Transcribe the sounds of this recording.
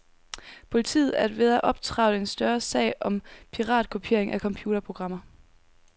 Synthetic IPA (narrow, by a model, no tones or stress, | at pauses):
pʰo̝lit͡sʰḭːð̩ˠæɐd̥ʋe̝ðˠæʔɒ̽b̥̚t͡sʰʁɑ̈ʊləe̝nsd̥ɶɐsɛ̰ːɪɒ̽mpʰiʁɑ̰̈ːd̥̚kʰopʰe̝ɐ̰e̝ŋʔækʰɒ̽mpʰjuːɾ̥ɐpʰʁo̝ɡ̥ʁɑ̈m̰ɐ